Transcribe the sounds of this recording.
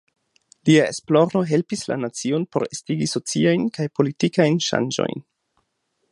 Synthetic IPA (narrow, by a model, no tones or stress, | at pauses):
liaḛsplo̞ɾo̞ɦe̞lpisla̰nat͡sio̞npo̞̰ɾestiɡiso̞t͡siajnkajpo̞litikajnʃa̰nd͡ʒo̞̰jn